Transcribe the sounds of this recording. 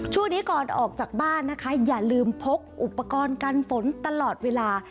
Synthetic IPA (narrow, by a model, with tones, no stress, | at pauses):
t͡ɕʰu˥˩ŋniː˦˥kɔː˨˩nʔɔː˨˩k̚t͡ɕaː˨˩k̚baː˥˩nːa˦˥kʰa˦˥jaː˨˩lɯː˧mpʰo˦˥p̚ʔu˨˩pːa˧kɔː˧nka˧nfo˩˦nt̪a˧lɔː˨˩t̪̚weː˧laː˧